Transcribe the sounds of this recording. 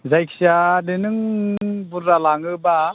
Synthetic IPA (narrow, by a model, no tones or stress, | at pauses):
zajkʰsadenɯŋbuɾːalaŋɯba